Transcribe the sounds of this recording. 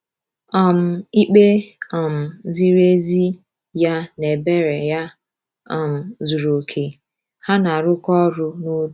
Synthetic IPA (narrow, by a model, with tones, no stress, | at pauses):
ɔ˨m̩˨i˦k͡pe˦ɔ˨m̩˨zi˦ɾe˦zi˦ | ja˦ne˨be˦ɾe˨ja˦˨ | m̩˨zu˨ɾo˨kʰe˨ | ha˦na˨ɾʊ˦kɔ˦ɾʊ˦no˦˨